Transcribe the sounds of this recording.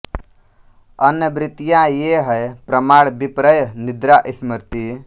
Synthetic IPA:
ɐnəbɾɪt̪ijajeɦəjpɾəmaːɽbipɾəjnid̪ɾaʔisməɾt̪i

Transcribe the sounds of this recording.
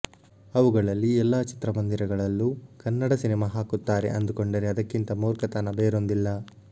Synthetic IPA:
ɐʋuɡɐɭɐlːiɛlːaːt͡ʃi̥t̪ɾɐmɐnd̪iɾɐɡɐɭɐlːukɐnːɐɽɐsinɛmaɦaːkut̪ːaːɾe̞̰ʔɐnd̪uko̞ɳɖɐɾeɐd̪ɐkːint̪ɐmoːɾkɐt̪anɐbeːɾond̪ilːɐ

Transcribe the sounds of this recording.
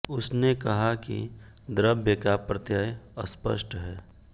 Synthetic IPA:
ʊsnekɐɦakḭ | d̪ɾəbjəkapɾət̪jaːjəspə̰ʃʈɦɛː

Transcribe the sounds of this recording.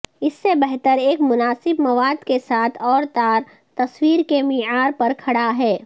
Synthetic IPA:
ɪsːebɛɦt̪əɾeːkmʊnaːsɪbmɐʋaːd̪kesaːt̪ʰɔːɾt̪aːɾ | t̪ɐswiːɾkemɪaːɾpɐɾkʰɐɽaɦɛː

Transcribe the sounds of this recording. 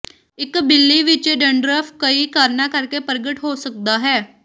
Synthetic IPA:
ɪkbɪlːiʋit͡ʃeɖəɳɖɾəfkəiːkaːɾɳakəɾkepəɾɡəʈɦosək̚d̪aɦɛː

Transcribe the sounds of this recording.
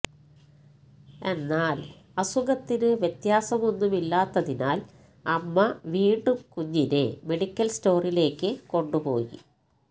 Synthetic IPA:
e̞nːaːl | ɐsuɣɐt̪ːinɨʋjet̪jaːsɐmo̞nːumilːaːt̪ːɐðinaːl | ɐmːɐʋiːɳɖumkuɲːinɨeme̞ɽikʲːɐlsto̞ːrile̞ːkːɨko̞ɳɖupo̞̰ːjḭ

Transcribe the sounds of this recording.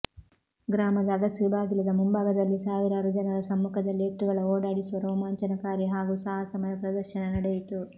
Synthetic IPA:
ɡɾaːmɐd̪ɐːɡɐsibʱaːɡilɐd̪ɐmumbaːɡɐd̪ɐlːisaːʋiɾaːɾud͡ʒɐnɐɾɐsɐmːukʰɐd̪ɐlːieʈ̪ːuɡɐɭɐoːɽaːɽisuʋɐɾoːmɐɐɲt͡ʃɐnɐkaːɾjɐɦaːɡusaːɦɐsɐmɐjɐpɾɐd̪ɐɾʃɐnɐnɐɽɛjit̪u

